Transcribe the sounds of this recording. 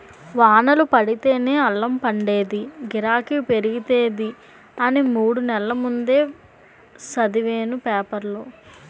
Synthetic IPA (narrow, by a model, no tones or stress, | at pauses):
ʋaːnɐlupɐɽit̪e̞ːne̞ːɐlːɐmpɐɳɖeːd̪iɡiɾaːkipe̞ɾiɡit̪eːd̪i | ɐnimuːɽunɛlːɐmund̪e̞ː | sɐd̪iʋeːnupɛːpɐɾloː